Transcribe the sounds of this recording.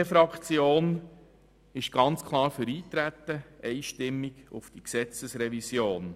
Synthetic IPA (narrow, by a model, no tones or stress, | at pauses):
əfɾɑkt͡sjoːn | ɪʃɡ̥ɑnt͡skʰlˠɑːɾfʏɾiːt̪ɾæt̪ːəʔɛɪʃtɪmːɪɡ̥ʊfd̥iksɛt͡səsɾɛvisjoːn